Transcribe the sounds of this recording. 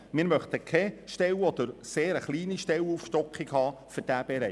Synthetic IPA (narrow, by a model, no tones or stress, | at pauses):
mɪːɾmœχt̪əkʰɛʃtɛwɔd̪əɾseːɾəχliːniʃtɛwuːfʃtɔkχiɡhɑːføɾd̥æːb̥ɛɾɛ